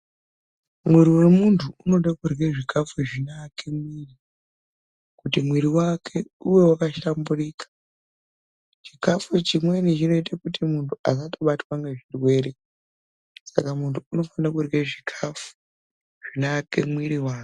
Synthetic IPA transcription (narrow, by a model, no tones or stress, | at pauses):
mwiɾiwemuntʰuuno̞ɗakurweʐikafuʐinaːkʰe̞mwiːri | kutimwiɾiwakʰe̞uwe̞wakaʃamburiːkḁ | t͡ʃikafut͡ʃimwe̞nit͡ʃino̞itakutimuntʰuas̬atoɓatwaŋɡe̞ʐirwe̞ːɾe | sa̰kamuntʰuːno̞fanakurweʐikʰafu̥ | ʐ̥inakʰe̞̰mwiɾiwaːke